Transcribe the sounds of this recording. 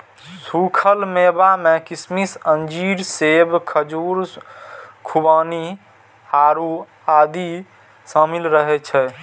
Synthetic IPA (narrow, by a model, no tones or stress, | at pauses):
sukʰəlmebamɛ̃kismisənd͡ʒiɾsebkʰəd͡ʒuːɾ | kʰubaːni | haːɾu | aːd̪i | samilɾəɦɛt͡ʃʰɛ